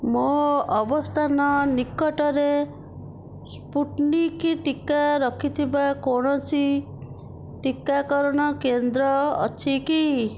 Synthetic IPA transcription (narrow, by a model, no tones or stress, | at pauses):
moɔbɔst̪ʰanɔnikɔʈɔɾe | spuʈnikiʈikaɾɔkʰit̪ʰibakoɽ̃ɔsi | ʈikːakɔɾɔɽ̃ɔkend̪ɾɔɔ̰t͡ʃʰiki